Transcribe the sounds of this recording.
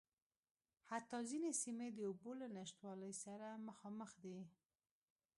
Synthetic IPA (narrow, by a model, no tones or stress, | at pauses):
hat̪ːɑzinesimed̪əubolanaʃt̪wɑləjsaɾaməxɑməxd̪i